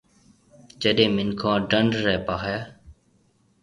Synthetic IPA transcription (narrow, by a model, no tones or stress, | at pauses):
d͡ʒəɗẽːmɪnkʰãːɖəɳɖːɛːpaːɦɛː